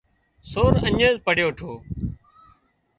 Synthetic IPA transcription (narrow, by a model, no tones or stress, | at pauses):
soːɾəɲẽːzpəɽ̤joːʈʰoː